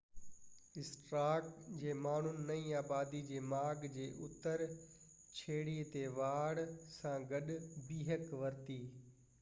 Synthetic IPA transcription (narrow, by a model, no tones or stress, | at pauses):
ɪsʈɾaːkd͡ʑeːmaːɳ̤ʊnɪ̆nɐĩːaːbaːd̪id͡ʑeːmaːɡd͡ʑeːʔʊt̪əɾ | t͡ɕʰeːɽiːt̪eʋaːɽsãɡɐɗbiːɦəkʋɐɾt̪iː